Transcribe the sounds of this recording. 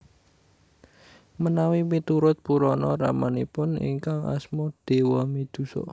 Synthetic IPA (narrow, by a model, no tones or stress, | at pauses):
mənawimit̪uɾʊt̪̚puɾɔnɔɾamanipʊnḭŋkaŋa̰smɔd̪̥e̤wɔmid̪̥ṳsɔ̰